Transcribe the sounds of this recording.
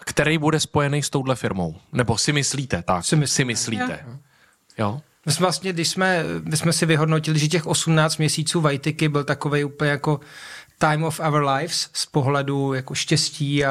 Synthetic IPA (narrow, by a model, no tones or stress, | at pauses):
kt̪ɛɾejbudɛspo̞jɛnejst̪o̞wdlɛfɪɾmo̰wnɛbosɪmɪsliːt̪ɛt̪aksɪmɪsɪmɪslit̪ɛ̰ | jo | mɪsmvlast̪ɲɛɡdɪʃsmɛmɪsmɛsɪvɪɦo̞dnocɪlɪʒɛc̬ɛxʔo̞sumnaːt͡st̪mɲɛsiːt͡suːvajt̪ɪkɪbɪlt̪akovejuːpl̩ɲɛjako̞t̪ajmofɛvəɾlajfsspoɦlɛdujakoʃcɛsciːa